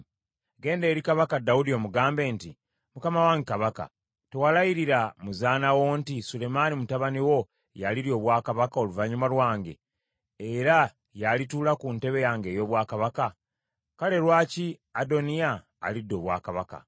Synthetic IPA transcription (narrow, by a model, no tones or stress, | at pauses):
ɡe̞ːnde̞ːɾikaβakadaudio̞ːmuɡaːmbe̞ːnti | mukamawaːŋɡekaβaka̰ | tewalajiɾiɾamuzaːnawo̞ntisulemanimutaβaniwo̞ | jaliɾjo̞ːβwaːkaβakao̞luvaɲumalwaːŋɡe̞̰ | eɾa | jalituːlakunte̞βe̞jaːŋɡe̞ːjo̞ːβwaːkaβaka | kale̞ɾwaːciado̞nija̰ː | lidːo̞ːβwa̰ːkaβaka̰